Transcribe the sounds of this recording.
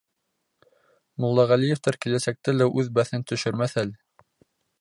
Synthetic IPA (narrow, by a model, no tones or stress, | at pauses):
mŏlˠːɑʁælijĕft̪ɑɾkilæsæk̚t̪ælæʔʉðbæθɘnt̪ɵ̆ʃɵɾmæθælɘ